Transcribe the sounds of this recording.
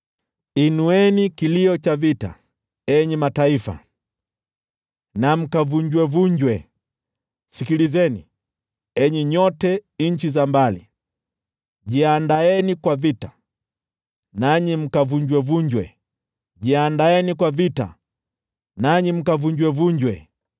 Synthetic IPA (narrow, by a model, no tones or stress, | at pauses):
inuɛnikiliɔt͡ʃavita̰ | ɛɲɛmataifa̰ | nam̩kavuɲd͡ʒwɛvuɲd͡ʒwɛ | sikilizɛni | ɛɲiɲɔtɛɲ̩t͡ʃizambalḭ | ɟiandaɛnikwavita | naɲim̩kavuɲd͡ʒwɛvuɲd͡ʒwɛ | ɟiandaɛnikwavita̰ | naɲim̩kavuɲd͡ʒwɛvuɲd͡ʒwɛ